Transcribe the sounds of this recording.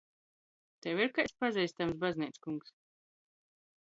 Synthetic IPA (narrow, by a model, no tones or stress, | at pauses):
t̪ɛwiɾkajspazʲɛjst̪amsbaznʲiːt̪skuŋks